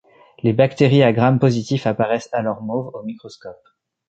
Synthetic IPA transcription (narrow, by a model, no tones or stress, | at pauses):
lebakt̪eʁiaɡʁampozit̪ifapaʁɛsalɔʁmovomikχɔskɔp̚